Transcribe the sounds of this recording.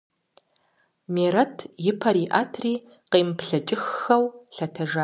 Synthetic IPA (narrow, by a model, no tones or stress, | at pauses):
meːɾɐtʰjɪpʰɐɾiːʔaːtʰriː | qeːmpɬɐt͡ʃʼɪxːɐwɬɐtʰɐʒaː